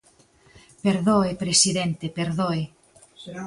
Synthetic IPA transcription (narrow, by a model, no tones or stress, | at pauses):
peɾðoepɾesiðent̪epeɾðoe